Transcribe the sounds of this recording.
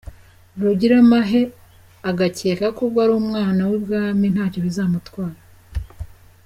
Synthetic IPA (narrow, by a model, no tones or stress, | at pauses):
ɾuɟiɾamaɦe̞ | aɡaceːkakuɡɡwaɾuːmŋaːnawibɡaːmin̥haːco̞βizaːmutwaːɾa